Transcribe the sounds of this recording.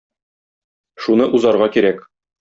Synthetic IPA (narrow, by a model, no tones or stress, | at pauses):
ʃunɤʔuzɑɾʁɑkiɾæk